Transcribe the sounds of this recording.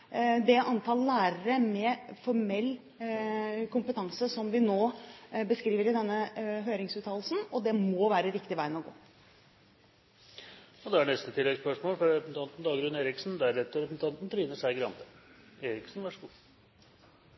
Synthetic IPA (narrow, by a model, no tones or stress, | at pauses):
d̪ɛʔɑnt̪ʰɑːllæːɾəɾəmɛfɔɾmɛlː | kʊmpət̪ʰɑŋsəsɔmʋɪnoːbəskɾiːʋəɾɪd̪ɛnːəɦøːɾɪŋsʉːt̪ʰɑːllsn̩ɔd̪ɛmɔʋæːɾəɾɪkt̪ɪʋæɪnɔɡo̰ː | ɔd̪ɛæɳnɛst̪ət̪ʰɪlːɛɡspœʂmoːlfɾɾɛpnt̪ɑnt̪n̩d̪ɑːɡɾʉneːɾɪksn̩d̪æɾɛt̪ːəɾɛpn̩t̪ʰɑnt̪n̩t̪ʰɾiːnəʂæɪɡɾɑ̰nt̪əeːɾɪksnʋæʂəɡuː